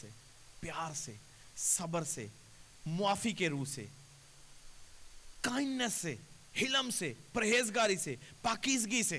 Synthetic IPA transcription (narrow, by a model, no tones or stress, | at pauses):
eː | pjaːɾseː | sɐbəɾsḛː | mʊaːfikeɾuːsḛː | kaːɪnːəsːeː | hɪləmseːpɾəɦeːzɡaːɾiseːpaːkiːsɡiseː